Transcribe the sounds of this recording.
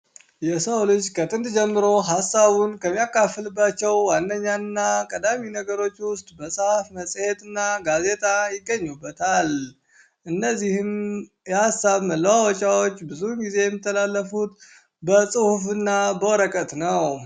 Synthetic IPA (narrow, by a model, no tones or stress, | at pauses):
jɛsəwlɨt͡ʃːkʰət̪ʰʼɨnd̪d͡ʒɛmːɨɾo̞ɦasːaβunkʰəmːijakːafːɨlɨbːat͡ʃːɛwwanːəɲːanːakʼəd̪aminəɡəɾo̞t͡ʃːwʊst̪ʼbəsʼhafməsʼhe̞t̪ʼɨnːaɡaze̞t̪ʼajɪɡːəɲːubːət̪ʰal | ʔɨnːəzːihɨn | jɛhasaβməlːəwawɔt͡ʃʼawo̞t͡ʃːbɨzuɡize̞jɛmːit̪ʰːəlalːəfut̪ | bəsʼɨhufɨnːabəwɔɾəkʼət̪nəw